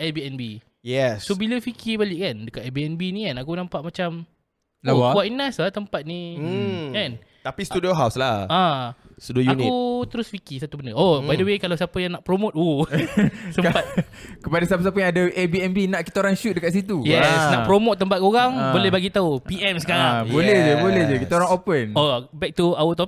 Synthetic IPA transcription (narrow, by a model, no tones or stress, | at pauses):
ɛsbiɛnbi | jɛssobiləfikibalɪʔkandəkat̪ɛbiɛnbinĩkanakunãmpaʔmat͡ʃam | laauaʔinaslat̪əmpat̪̚ni | ɛn | t̪apist̪udioɦawslahãsudojuaniut̪əɾʊsfikisat̪ubəndəʔobajdəwekalawsapəjaŋnaʔpɾomot̪̚wu | səmpat̪kəpadasapəs̬ap̬əjãŋadaʔɛbiɛmbinaʔkit̪aoɾaŋʃut̪̚dəkaʔ̪s̬it̪̬ujɛsnaʔpɾomot̪̚ːəmpat̪̚koɣaŋbolɛhbaɡit̪aupiʔɛmsəkaɾabolɛhəbolɛhd͡ʒəkit̪aoɾaŋopənobɛk̚t̪uawət̪ɔp̚